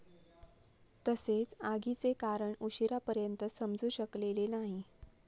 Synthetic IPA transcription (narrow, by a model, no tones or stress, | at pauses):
t̪əset͡saɡit͡sekaɾəɳuɕiɾapəɾjənt̪əsəmd͡zuːɕəklelenaɦi